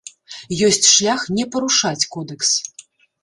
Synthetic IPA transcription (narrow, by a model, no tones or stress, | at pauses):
jɔsʲt͡sʲʂlʲaxnʲɛpɐɾuʂat͡sʲkɔd̪ɛks